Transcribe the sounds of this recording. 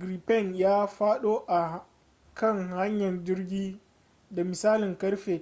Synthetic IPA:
ɡɾiː˨pɛ˦˨ŋjaː˦ɸaː˦ɗoː˦ʔa˨ | kɐ˦˨ŋha˦ɲjɐ˨nd͡ʒɪ˦rɡʲiː˦ | da˨mɪ˨saː˦lɪ˨ŋkɐ˦ɽɸeː˨

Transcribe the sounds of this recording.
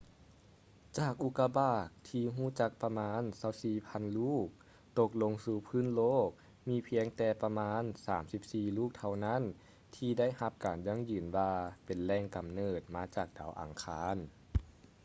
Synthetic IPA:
t͡ɕaː˧˩k̚ʔu˧˥kːa˧baː˧˩k̚t̪ʰiː˧ɦuː˧˥˩t͡ɕa˧˥k̚pa˧maː˧˥˨nsa˧˥˩wsiː˧˨˩pʰa˧˥˨nluː˥˩k̚ | t̪o˧k̚lo˧ŋsuː˧˩pʰɯː˧˥˨nloː˥˩k̚ | miː˧˥pʰi˧əŋt̪ɛː˧pa˧maː˧˥nsaː˩˦msi˧˥p̚siː˧˩luː˥˩k̚t̪ʰa˧wna˦˥˨n | t̪ʰiː˧da˥˨jha˧p̚kaː˨˩nja˧˥˨ŋjɯː˨˩nwaː˧pe˨˩nlɛː˧ŋka˨˩mnɤː˨˩t̪̚maː˧˥t͡ɕaː˨˩k̚d̥a̰ː˨˩˦wʔa̰ː˨˩ŋkʰaː˧˥n

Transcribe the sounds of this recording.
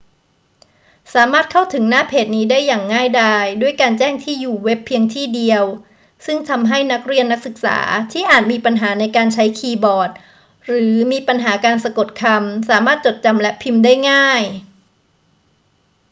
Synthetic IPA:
saː˩˦maː˥˩t̪̚kʰa˥˩wt̪ʰɯ˩˦ŋnaː˥˩pʰeː˨˩t̪̚niː˦˥daː˥˩jːaː˨˩ŋːaː˥˩jdaː˧˩jdu˥˩əjkaː˧nt͡ɕɛː˥˩ŋt̪ʰiː˥˩juː˨˩we˦˥pʰːi˧əŋt̪ʰiː˥˩di˧əw | sɯ˥˩ŋt̪ʰa˧mɦa˥˩jna˦˥k̚ɾi˧ənːa˦˥k̚sɯ˨˩k̚sa̰ː˩˦t̪ʰiː˥˩ʔaː˨˩t̪̚miː˧pa˧nɦaː˩˦na˧jkaː˧nt͡ɕʰa˦˥jkʰiː˧bɔː˨˩t̪̚ | ɾɯː˩˦miː˧pa˧nɦaː˩˦kaː˧nsa˧ko˨˩t̪̚kʰa˧msaː˩˦maː˥˩t̪̚t͡ɕo˨˩t̪̚t͡ɕa˧mlɛ˦˥pʰi˧mdaː˥˩jŋaː˥˩j

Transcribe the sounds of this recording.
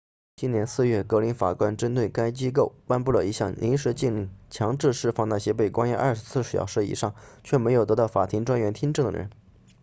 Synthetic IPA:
t͡ɕi˥njɛ˧˥nsɹ̩˥˧ɥɛ˥˩kɤ˧˥li˧˥nfa̰˨˩kwa˥nʈ͡ʂə˥nt̪̬we˥˩ɪka˥ɪt͡ɕi˥k̬o˥˩ʊpa˥npu˥˩lə̰˩i˧˥ɕjɑ˥˩ŋlʔḭ˧˥nʂɻ̩˧˥t͡ɕi˥˧ŋli˥˩t͡ɕʰjɑ˧˥ŋʈ͡ʂɻ̩˥˧ʂɻ̩˥˧fɑ˥˧ŋna˥˩ɕjɛ˥pe˥˩ɪkwa˥nja˥˧˥ʔɐ̰˞˥˧˩ʂɻ̩˧˥t͡sʰɹ̩˥˩ʂɻ̩˥˩jɑ̰˨˩ʊʂɻ̩˥˩ḭ˨˩ʂɑ˥˩ŋt͡ɕʰɥɛ˥˩me˧˥ɪjʊt̪ɤ˧˥t̪ɑ˥˩fa˨˩t̪ʰi˧˥ŋʈ͡ʂwa˥nɥɛ˧˥nt̪ʰi˥ŋʈ͡ʂɤ˥˩ŋd̪ə̰˩ɻə̰˧˥n

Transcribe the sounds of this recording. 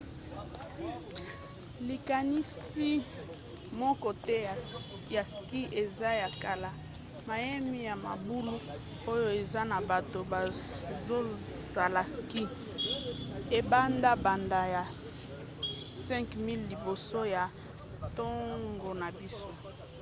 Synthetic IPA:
li˨ka˨ni˦si˦ | mɔ˦kɔ˦tɛ˦˨ja˨ski˦ʔe˨za˦ja˨ka˨la˨ | ma˨jɛ˦mi˦ja˨ma̰˨bu˦lu˦ | o˦jo˦e˨za˦na˨ba˨to˨ba˨ | zo˦ | za˨la˨ski˦ | e˨ba˦nda˦ba˨nda˨ja˨ | sɛ̃˦ŋkmi˦lːi˨bo˨so˦ja˨ | to˦ŋɡo˨na˨bi˦so˦

